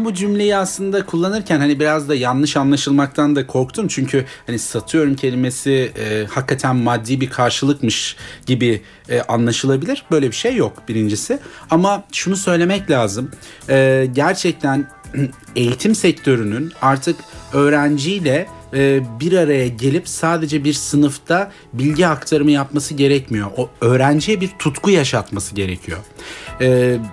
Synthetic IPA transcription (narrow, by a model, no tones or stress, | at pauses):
mbud͡ʒymlʲe̞jiaslˠɯnd̪akʰulˠːanɯɾcʰænhanibiɾazd̪ajanlˠɯʃanlˠaʃɯlˠmak̚t̪ʰand̪akʰo̞ɾk̚t̪ʰumt͡ʃʰyɲcʰyhanisat̪ʰɯjo̞ɾumcʰe̞lʲime̞siɛːhakːat̪ʰænmad̪ːiːbiɾkʰaɾʃɯlˠɯkmɯʃɟ̥ibi | ɛʔanlˠaʃɯlˠabilʲiɾbø̞jlʲebiʃe̞jːok̚biɾind͡ʒisɪamaʃunusø̞jlʲe̞mɛclʲaːzɯm | ɛːɟæɾt͡ʃʰɛc̚t̪ʰæn | e̞jit̪ʰimsɛct̪ʰø̞ɾynynaɾt̪ʰɯkø̞ːɾænd͡ʒijlʲɛ | biɾaɾajaɟelʲipsaːd̪e̞d͡ʒɛbiɾsɯnɯft̪ʰa | bilʲɟiakt̪ʰaɾɯmɯjapmasɯɟe̞ɾɛcmijo̞ʔoøːɾænd͡ʒijɛbiɾt̪ʰut̪kujaʃat̪masɯɟe̞ɾe̞cʰijo̞ɛː